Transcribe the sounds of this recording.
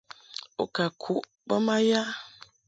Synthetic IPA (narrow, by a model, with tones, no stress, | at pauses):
o̰˨ka˨kʰu˨˦ʔ | bə˦ma˦ja˦